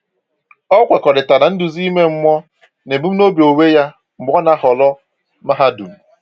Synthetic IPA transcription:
ɔ˦kʷe˨kɔ˨dɪ˨ta˨na˨n̩˦dʊ˨zi˦me˦m̩˦mʷɔ˦ | ne˨bu˦m̩˦no˦bjo˨we˦ja˦ | m̩˨ɡ͡bɔ˦na˦ɦɔ˨lɔ˦ | ma˦ɦa˦dṵ˨m̩˨

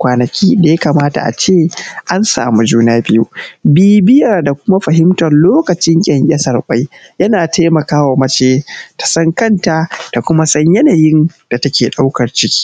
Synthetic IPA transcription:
kʷaː˨nɐ˨kʲʰiː˦da˨ja˦kaː˨maː˦ta̰˨ʔa̰˨t͡ʃeː˦˨ʔa˦nsa̰ː˨mu˦d͡ʒuː˦naː˦bɪ˦ju˦biː˦bɪ˦jɐ˨rda˨kʷʊ˦ma˦ɸɐ˨ɦɪ˦mtɐ˨nloː˦kɐ˨t͡ʃɪ˦ŋkʲʼɐ˨ŋkʲʼɛ˦sɐ˨rkʷʼa˦jjɐ˦naː˨ta˦jmɐ˨kaː˦wa˨mɐ˦t͡ʃeː˦tḁ˨sɐ˦ŋkɐ˦˨nta˨da˨kʷʊ˦ma˦sɐ˦ɲjɐ˦naː˨jɪ˦nd̥a˨tɐ˦kʲeː˨ɗa˦wkɐ˨rt͡ʃɪ˦kʲi̥ː˦

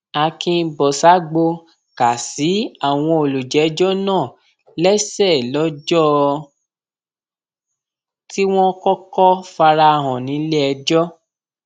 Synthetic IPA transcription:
a˧kĩ˧˦bɔ˨sa˨˦ɡ͡bo˧ | ka˨si˨˦a˦˨w̃ɔ̃˧o˨lu˨d͡ʒɛ˨˦d͡ʒɔ˦nãː˦˨ | lɛ˦sɛ˦˨lɔ˦d͡ʒɔ˦ | ti˦w̃ɔ̃˦kɔ˦kɔ˦fa˧ɾa˧ɦɔ̃˨nĩ˨˦le˦ɛ˧d͡ʒɔ˦

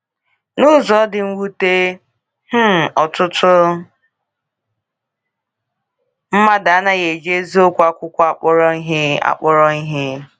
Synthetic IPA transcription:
nʊ˦zɔ˨˦dɪ˨m̩˦wu˦te˦ | h̩˦˨ɔ˨tʊ˦tʰʊ˦ | m̩˦ma˦da˨a˦na˦ɣe˨d͡ʒe˦zi˦o˦kʷa˦kʷʊ˦kʷa˦a˨k͡pʊ˦ɾɔ˦i˦ɦɪ˦a̰˨k͡pʊ˦ɾɔ˦i˦ɦɪ˦

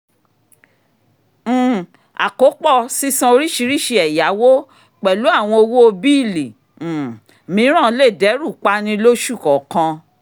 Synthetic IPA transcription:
a̰˨ko˨˦k͡pɔ˦˨si˦sã˧o˧ɾi˦ʃi˧ɾi˦˨ʃi˧ɛ˨ja˨˦wo˦ | k͡pɛ˨lu˨˦a˦˨w̃ɔ̃˧o˧wu˦o˧bi˦i˦˨lĩ˨ | mĩ˨˧˦ɾ̃ã˦˨˦le˦˨dɛ˨˦ɾu˦˨k͡pa˦nĩ˧lo˦ʃu˦˨kɔ˨kã˧

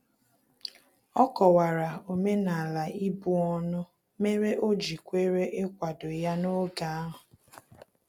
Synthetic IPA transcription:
ɔ˦kɔ˨wa˨ɾa˨o˨me˦na˨a˨la˨i˦bu˨ɔ˦nʊ˦ | me˦ɾe˦ʔo˦d͡ʒi˨kʷe˦ɾe˦ʔe˦kʷa˨do˨ja˦no˦ɡa˦a˦ɦʊ˨

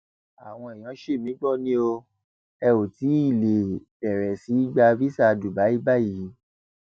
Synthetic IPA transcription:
a˨w̃ɔ̃˧ɛ˨j̃ã˨˦ʃe˦˨mĩ˨˦ɡ͡bɔ˦˨nĩ˦o˧ | ɛ˧o˨ti˨˦i˦˨le˨d̥ɛ˨ɾɛ˨si˨˦ɡ͡ba˧bi˦sa˦˧du˨ba˨˦i˦ba˦˨ji˨˦

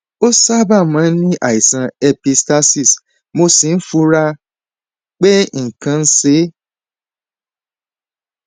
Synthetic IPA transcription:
o˦sa˦ba˦˨mã˨˦nĩ˦ʔa̰˦˨i˨sã˧ɛ˧pi˧sta˧si˦˨s | mo˧sĩ˨˧n̩˦fu˧˦ɾa˧ | k͡pe˦ŋ̩˨kã˧n̩˦se˨˦

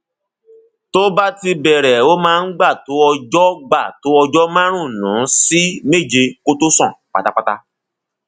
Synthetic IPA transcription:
to˦ba˦ti˧bɛ˨ɾɛ˨o˦mãː˦˧n̩˦ɡ͡ba˦˨to˨˦ɔ˧d͡ʒɔ˦ɡ͡ba˦˨to˨˦ɔ˧d͡ʒɔ˦mã˦ɾ̃ũ˦˨nũ˨˦si˦me˦˨d͡ʒe˧ko˦to˦sɔ̃˦˨k͡pa̰˨ta˧k͡pa˦ta˧

